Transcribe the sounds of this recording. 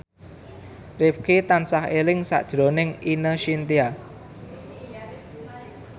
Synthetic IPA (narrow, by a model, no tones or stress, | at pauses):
rɪp̚kit̪ansahelɪŋsa̰ʔd̥ʒ̥ɾonɪŋinəʃint̪ia